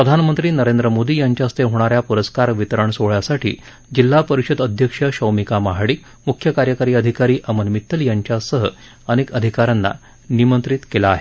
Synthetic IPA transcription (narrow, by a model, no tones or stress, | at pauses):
ppɾəd̪ʱanmənt̪ɾiːnəɾend̪ɾəmod̪iːjaɲt͡ɕjast̪eɦoɽ̃aɾjapuɾəskaɾʋit̪ɾəɳsoɭjasaʈʰḭː | d͡ʑilːapəɾiʂəd̪əd̪ʱjəkʂəɕəwmikamaɦɽiːk | mukʰjəkaɾjəkaɾiːəd̪ʱikaɾiːʔəmənmit̪ːəljaɲt͡ɕjasəɦə̰ | ənekəd̪ʱikaɾanːa̰ | nimənt̪ɾit̪kelaːɦe